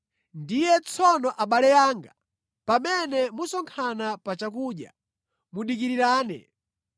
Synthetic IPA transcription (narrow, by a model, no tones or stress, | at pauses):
ndijɛt͡sʰɔnɔʔaɓalɛjaːŋɡa | pamɛnɛmusɔŋkʰanapat͡ʃakuːɗja̰ | muɗik̬iɾiɾaːnɛ̰